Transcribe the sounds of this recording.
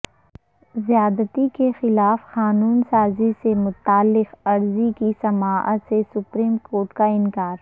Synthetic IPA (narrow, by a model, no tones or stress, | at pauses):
zijaːd̪ət̪ikexɪlaːfxaːnuːnsaːzisemʊt̪aːlːɪqɐɾzikisɐmaːʔət̪sesʊpɾiːmkoːɾʈkaɪnkaːɾ